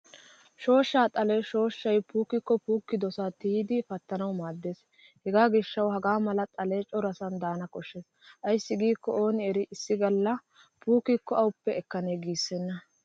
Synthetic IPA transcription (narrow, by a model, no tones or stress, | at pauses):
ʃo̞ːʃːaːt̪ʼɐleːʃo̞ːʃːɐjpuːkːɪkːɔpuːkːɪd̪ɔsat̪iːd̪ɪfɐt̪ːɐnɐwmaːd̪ːe̞ːs | hɛɡaːɡɪʃːɐwhɐɡaːmɐlɐt̪ʼɐleːt͡ʃʼɔɾɐsɐnd̪aːnɐkɔʃːeːs | ʔɐjsːɪɡiːkːɔo̞ːnɪɛɾɪʔɪsːɪɡɐlːɐ | puːkɪkːɔɐwʊpːɛɛkːɐneːɡiːsːɛnːɐ